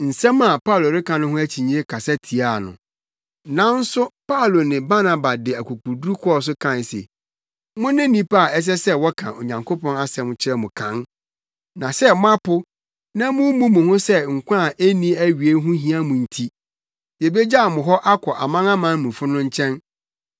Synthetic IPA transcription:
n̩˨sɛ̃˦ma˨pa˦˨lo˨ɾɪ˦kʰã˨nʊ̃˦ɦʊ̃˦æ˦t͡ɕʰi˨ɲĩ˦e˦kʰa˨sɛ˦tʰi˨a˦˨nʊ̰̃˨ | nã˦n̩˦sʊ˦pa˦˨lo˨nɪ̃˨ba˦na˨ba˨dɪ˨æ˨kʰu˨ku˨du˦ɾu˦kʰɔ˦˨s̬ʊ˦kʰã˦˨n˨sḛ˨ | mʊ̃˦nɪ̃˦nĩ˦pa˦˨ɛ˦s̬ɛ˦sɛ˦wɔ˦kʰã̰˨o̰˨ɲã˨ŋkʰo˦pɔ̃˦na˦sɛ˨mʊ̃˨t͡ɕʰɪ˦ɾɛ˦mʊ̃˨kʰã̰˨˦n | nã˨sɛ˦mʊ̃˦a˦pʊ˦ | nã˦mʊ̃˦mũ˦mũ˨hʊ̃˦sɛ˦ŋ̩˨kʷã˦˨ʔe˦nĩ˦æ˦ɥi˨e˦ɦʊ̃˦ɦĩ˦a˦mʊ̃˨n̩˨tʰi˦ | je˨be˦d͡ʑa˦a˨mʊ̃˨ɦɔ˦ʔa˦kʷʰɔ˨ʔa˨mã˦ŋã˦mã˦mũ˨fʊ˦nʊ̃˦ɲ̩˦t͡ɕʰɛ̃˦n

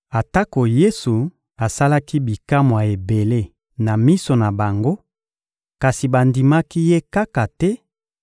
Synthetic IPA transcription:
a˨ta˦ko˨je˦su˨ | a˨sa˦la˦ki˦bi˨ka˦mwa˨e˨be˨le˦˨ | na˨mi˦so˨na˨ba˨ŋɡo˦ | ka˨si˨ba˨ndi˨ma˦ki˦je˦ka˦ka˨tɛ˦

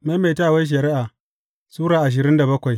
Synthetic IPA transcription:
ma˦me˨taː˦˨wa˦jʃ̬ɐ˨ɾɪ˦ʔaː˨ | suː˦ɾaː˨ʔa˨ʃ̬ɪ˨ɾɪ˦nda˨bɐ˦kʷa˨j

